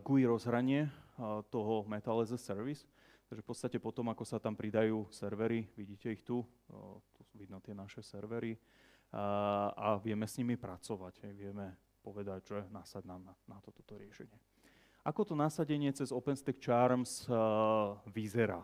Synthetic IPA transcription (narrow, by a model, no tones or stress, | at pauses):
ɡuiɾɔzɦɾaɲɪɛt̪ɔɦɔmɛt̪alɛzɛsɛɾʋis | t̪aɡʒɛfpɔt̪t͡sst̪acɛpɔt̪ɔmakɔsat̪ampɾid̪ajuːsɛɾʋɛɾiʋiɟiːcɛixt̪u | t̪usuʋid̪nɔt̪ɪɛnaʃɛsɛɾʋɛɾi | aʋɪɛmɛsɲimipɾat͡sɔʋaɟɦɛjʋɪɛmɛ | pɔʋɛd̪aɟʒɛnasaɟnaːmnanat̪ɔ̥t̪ɔ̥t̪ɔɾɪɛʃɛɲɪɛ | ʔakɔt̪ɔnasaɟɛɲɪɛt͡sɛzɔpɛnst̪ɛk̚t͡ʃaɾms | ʋizɛɾa̰ː